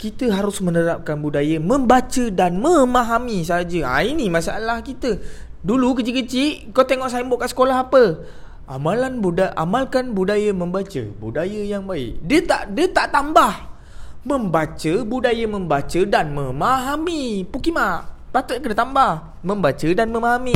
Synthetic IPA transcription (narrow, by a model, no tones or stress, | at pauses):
kit̪əɦaɾʊsmənəɾap̚kanbudajəmə̃mbat͡ʃədanməmaɦamis̬ad͡ʒəa̰inimãsa̰ʔlahkit̪ədulukət͡ʃikət͡ʃiʔkat̪eŋɔʔsajəmboʔkaʔsə̥kolaɦapə | amalanbudaʔa̰malkanbudajəmə̃mbat͡ʃə̰budajəjaŋbaɪ̰ʔdət̪a̰ʔdət̪aʔt̪ambah | məmbat͡ʃəbudajəməmbat͡ʃədanmə̃maɦamipukimaʔpat̪ətʔkədat̪ambah | mə̃mbat͡ʃədanməmaɦami